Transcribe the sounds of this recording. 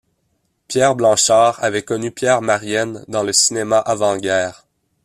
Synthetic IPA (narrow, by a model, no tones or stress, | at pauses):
pjɛːʁblɑ̃ʃaːʁavɛkɔnypjɛːʁmaʁjɛnd̪ɑ̃ləsinemaʔavɑ̃ɡʲɛːʁ